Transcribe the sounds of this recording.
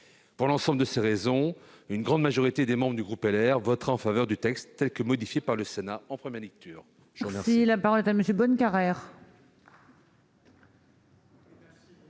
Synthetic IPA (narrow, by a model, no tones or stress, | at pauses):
puʁlɑ̃sɑ̃bləd̪əseʁezɔ̃ | ynɡʁɑ̃d̪maʒɔʁit̪ed̪emɑ̃bʁəd̪yɡʁupɛlɛʁvɔt̪χaɑ̃favœʁd̪yt̪ɛkst̪ːɛlkəmɔd̪ifjepaʁləsenaɑ̃pχəmjɛʁlɛk̚t̪ʰyːʁ | ʒəəmɛʁsilapaʁɔlɛt̪aməsjøbɔnkaʁɛʁ